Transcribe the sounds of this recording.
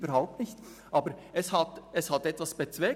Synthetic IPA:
b̥əɾhaʊp̚tnɪçt | ʔɑːbəɾɛshɑtɛshɑtɛtvɑsb̥et͡svɛː

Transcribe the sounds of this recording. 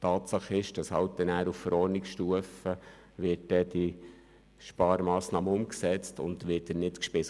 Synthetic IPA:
tɑːtsɑχɪʃd̥ɑshɑ̰wt̚dɛnæːɾuffəɾɔːɾnɪksʃtuəfə | ʋɪt̚d̥ɛd̥i | ʃpɑːɾmɑːsnɑːməʊmksɛt͡stʊ̰ntʋɪːt̚dɛnnɪtkʃpɪs

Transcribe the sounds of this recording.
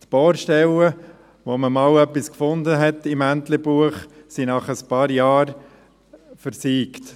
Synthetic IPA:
t̪b̥oːɾʃtɛlə | ʋoməmɑːwœpːiskfʊnd̪əɦɛt̪ɪmænt̪ləbuəχsinɑχəspɑːɾjɑːɾ | fəɾsiːkt

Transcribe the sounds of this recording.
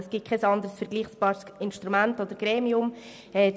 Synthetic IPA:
əsɡ̥ɪt̚kʰɛsɑnd̪əɾəsfɛɾɡliːχsb̥ɑːɾsɪnʃt̪ɾumæntod̥əɾɡ̥ɾeːmiʊm | ɛː

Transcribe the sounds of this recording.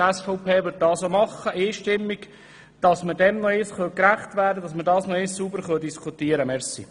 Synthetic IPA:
ɛsfɔʊpeːʋʏt̚dɑːsomɑχːəʔiːʃtɪmːiɡ | d̥ɑsmədɛmnɔɪsχœlkɾæχtʋæːɾdədɑsmədɑːsnɔɪsːubəɾχœldiskʰutiəɾəmɛɾsḭ

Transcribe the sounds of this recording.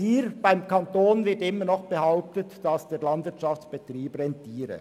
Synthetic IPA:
hiːɾb̥aɪmkɑntoːnvɪtɪmːənɔχb̥əhaʊp̚tətd̥ɑsd̥eːɐlɑndvɪtʃɑft͡sb̥etriːbrɛntiːɾə̰

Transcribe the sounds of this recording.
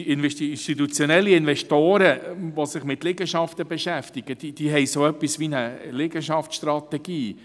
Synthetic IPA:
ɪnɛtiɪnʃtit̪ut͡sjɔnɛlːiɪnvɛʃtoːɾəʋosɪχmɪt̪lɪɡəʃɑft̪əbɛʃæft̪ɪɡ̥əd̥id̥iːɦɛɪsoœpːisʋinəlɪɡəʃɑfsʃt̪ɾɑt̪ɛɡ̥iː

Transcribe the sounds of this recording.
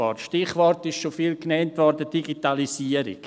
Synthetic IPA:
ɔ̰rtʃtɪχvɔrtɪʃʃofiːlknɛntvɔrdəd̥iɡitalisiəɾḭk

